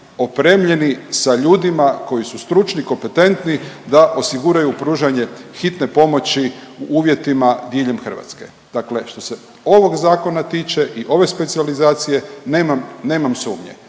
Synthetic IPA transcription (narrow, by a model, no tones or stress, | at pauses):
o̞pɾe̞ːmʎe̞nisaʎuːd̪imako̞jisust̪ɾut͡ʃniko̞mpe̞t̪e̞nt̪nid̪aʔo̞siɡuɾajupɾuːʒaɲe̞xit̪ne̞po̞mo̞t͡ɕiuʔuːʋje̞t̪imad̪jeʎe̞mxər̩ʋa̰t̪ske̞̰ | d̪̥akle̞ʃt̪o̞se | o̞ʋo̞ɡzaːko̞nat̪iːt͡ʃe̞ʔiʔo̞ʋe̞spe̞t̪sializaːt̪sije̞neːmamne̞ːmamsuːmɲḛ